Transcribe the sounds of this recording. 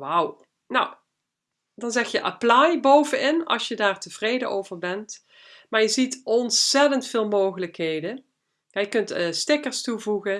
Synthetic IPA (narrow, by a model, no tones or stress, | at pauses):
ʋaw | naw | dɑnzɛxjəʔaplɑjbowvənɪnɑ̰lˠsjədaːɹtəv̥rejdəowvəɹbɛnt | maːɹjəzitɔnsɛtəntfɪːlˠmowχələkɦejdə | jajəkɵntːstɪkəɹstuvuɣə